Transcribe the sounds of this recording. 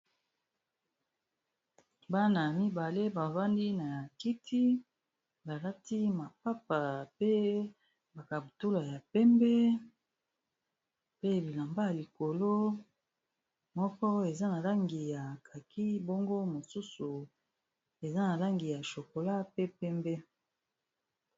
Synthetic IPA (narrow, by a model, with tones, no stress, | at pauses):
ba˦na˨mi˦ba˨le˦ba˨va˦ndi˦na˨ja˨ki˦tʰi˦ | ba˨la˦ti˦ma˨pa˦pa˨pe˦ | ba˨ka˨bu˨tu˦la˨ja˨pɛ˦mbɛ˦ | pe˦bi˨la˨mba˦ja˨li˨ko˨lo˦ | mɔ˦kɔ˦e˨za˦na˨la˦ŋɡi˨ja˨kʰa˨ki˦bo˦ŋɡo˦mo˨su˦su˨ | e˨za˦na˨la˦ŋɡi˨ja˨ʃo˨ko˨la˦pe˦pɛ˦mbɛ˦